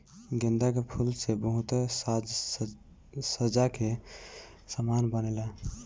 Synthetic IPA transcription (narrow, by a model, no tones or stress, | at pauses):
ɡend̪akepʰulsebəɦut̪sd͡ʒ | səd͡ʒake | səmanbənɛla